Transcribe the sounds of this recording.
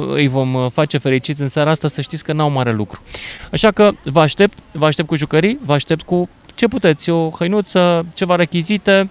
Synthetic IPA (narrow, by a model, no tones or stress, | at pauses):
ɨ̰jvo̞mfat͡ʃe̞fe̞ɾit͡ʃit̪sʲɨnsaɾaast̪asəʃt̪it̪sʲkənawmaɾe̞lukɾu̥aʃakəvəaʃt̪e̞p̚t̪vəaʃ̬t̪e̞pt̪kuʒukəɾivəaʃt̪e̞p̚t̪̚ku | t͡ʃe̞put̪e̞t̪sʲo̞xəjnut̪sət͡ʃe̞vaɾe̞kʲizit̪e̞